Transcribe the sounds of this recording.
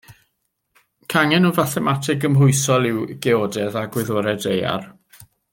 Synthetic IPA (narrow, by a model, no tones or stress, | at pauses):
kʰaŋɛnɔvaθɛmatʰɪɡəmɦʊɨsɔlˠɪwɡ̥ɛɔdɛðaɡwɪðoːɾɛdeja̰r